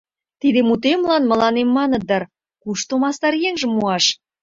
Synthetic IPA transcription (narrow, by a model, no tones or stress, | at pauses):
t̪id̪emut̪̬emlɑnmə̆lɑnemːɑnə̆d̪ər | kuʃt̪omɑst̪ɑɾjeŋʒə̆mːuɑʃ